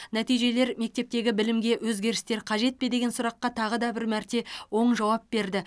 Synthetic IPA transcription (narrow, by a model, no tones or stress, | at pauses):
næt̪ijʒe̞le̞ɾme̞k̚t̪e̞p̚t̪e̞ɡʲɪbɪlɪmɡʲe̞wɵzɡʲe̞ɾɪst̪e̞ɾqʰɑʒe̞t̪̚ped̪e̞ɡʲe̞nsʊɾɑqːɑt̪ʰɑʁəd̪ɑbɪɾmæɾt̪e̞wo̞ɴʒɑwɑp̚be̞ɾd̪ɪ